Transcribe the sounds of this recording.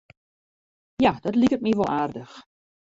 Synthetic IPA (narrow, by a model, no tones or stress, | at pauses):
jad̥ɔtlikət̚miʋɔlˠʔaːrdəx